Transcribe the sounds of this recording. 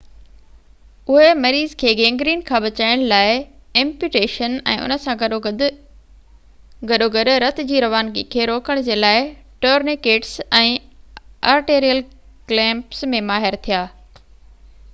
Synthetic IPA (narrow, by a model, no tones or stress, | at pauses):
ʊɦemɐɾiːzkʰeːɡẽːŋɡɾiːnkʰãbɐt͡ɕaːɪɽ̃laːɪẽmpjuːʈeːʃənɛ̰̃ːʔʊ̰nə̆sãɡ | ɡɐɗoɡɐɗʊ̆ɾɐt̪ʰɪ̆d͡ʑiːɾɐʋaːnɡikʰeːɾoːkəɽ̃d͡ʑeːlaːɪ | ʈoːɾnekeːʈsɛ̃ː | a̰ːɾʈeːɾijəl | klɛ̃ːmpsmẽmaːɦɪɾt̪ʰijaː